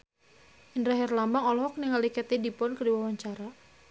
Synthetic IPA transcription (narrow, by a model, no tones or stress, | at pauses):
ʔindɾaɦɛrlambaŋɔlɔɦɔkniŋalikɛt̪idipɔnkədiwawaɲt͡ʃaɾa